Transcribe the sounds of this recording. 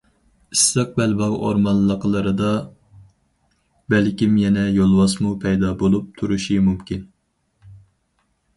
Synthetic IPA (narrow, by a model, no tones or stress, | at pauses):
ist̪əq̚bɛlbɑʁʔo̰ɾmɑnlːˠəqʰəlˠɨɾɨd̪ɑ | bɛlkʲimjɛnɛjolˠwɑsmupʰɛjd̪ɑbolˠup̚t̪ʰuɾuʃimumkʲin